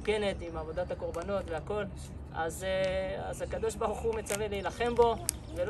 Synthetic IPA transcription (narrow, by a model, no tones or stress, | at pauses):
ke̞net̪imavo̞d̪at̪ako̞ʁbano̞t̪veako̞l | a̰za̰zakad̪o̞ʃbaʁuχume̞t͡saveleilaχe̞mbo̞ | vel